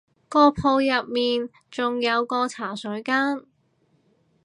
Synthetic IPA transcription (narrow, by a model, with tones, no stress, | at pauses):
kɔː˧pʰo˧wjɐ˨p̚miː˨n | t͡sʊ˨ŋjɐ˨˧wkɔː˧t͡sʰaː˨˩sœː˨˥jkaː˥n